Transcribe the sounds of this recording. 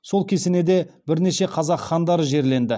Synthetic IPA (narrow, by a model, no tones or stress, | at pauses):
so̞lˠkʲʰe̞sene̞d̪e̞bɪɾne̞ʃe̞qʰɑzɑqχɑnd̪ɑɾəʒe̞ɾle̞nd̪ɪ